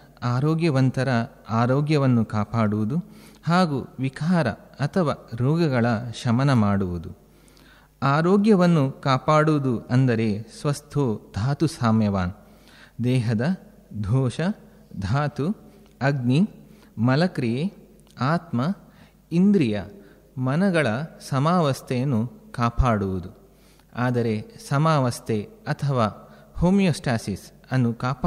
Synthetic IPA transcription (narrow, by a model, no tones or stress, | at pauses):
aːɾoːɡjɐʋɐnt̪ɐɾɐ | aːɾoːɡjɐʋɐnːukaːpaːɽuʋud̪uhaːɡuʋikʰaːɾɐ̰ɐt̪ʰɐʋaːɾɔːɡɐɡɐɭɐʃɐmɐnɐmaːɽuʋud̪u | aːɾoːɡjɐʋɐnːukaːpaːɽuʋud̪uʔɐnd̪ɐɾesʋɐst̪ʰoːd̪ʱaːt̪usaːmjɐʋaːn | d̪ɛːɦɐd̪ɐ | d̪ʱɔːʃɐ | d̪ʱaːt̪u | ɐɡni | mɐlɐkɾije | aːt̪mɐ | ind̪ɾijɐ̰ | mɐnɐɡɐɭɐsɐmaːʋɐst̪ʰɛjɐnːukaːpaːɽuʋud̪u | aːd̪ɐɾesɐmaːʋɐst̪ʰeɐt̪ʰɐʋaːhoːmjoːsʈaːsis | ɐnːukaːpa